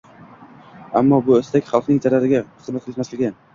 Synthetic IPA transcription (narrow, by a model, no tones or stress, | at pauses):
amːɒbʊɵst̪akʲχɑlˠqnɪŋzaɾaɾɪɡʲaχɨzmat̪kʰʲɪlˠɪt̪maslɪɡʲan